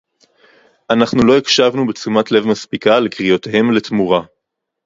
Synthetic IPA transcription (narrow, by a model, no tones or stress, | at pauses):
ʔanaχnulo̞ikʃavnubet͡sumatle̞vmaspikalekʁijotehe̞mle̞t̪muʁa